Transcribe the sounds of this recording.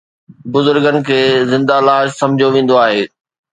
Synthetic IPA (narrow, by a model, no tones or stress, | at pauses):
bʊzʊɾɡənɪ̆kʰeːzɪ̃nd̪alaːʃsɐ̃md͡ʑʱijoʋẽːn̆d̪oaːɦeː